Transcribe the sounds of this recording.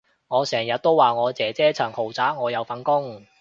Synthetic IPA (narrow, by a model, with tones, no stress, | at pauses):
ŋɔː˨˧sɛː˨˩ŋjɐ˨t̚t̪o˥wːaː˨˩ŋɔː˨˧t͡sɛː˨˧t͡sɛː˥t͡sʰɐ˨˩ŋho˨˩wt͡saː˨˥ŋɔː˨˧jɐ˨˧wfɐ˨˥nkʊ˥ŋ